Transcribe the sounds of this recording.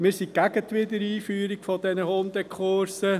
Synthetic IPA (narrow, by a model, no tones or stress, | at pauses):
mɪːɾsikæɡət̪ʋɪd̪əɾiːfyːɾikfɔd̪ɛnəhoːmd̪ɛkʰχʊɾsə